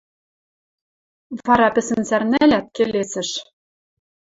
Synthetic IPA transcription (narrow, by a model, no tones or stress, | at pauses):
vɑɾɑpɘ̆sɘ̆nsærnælʲæt̪̚kelesɘ̆ʃ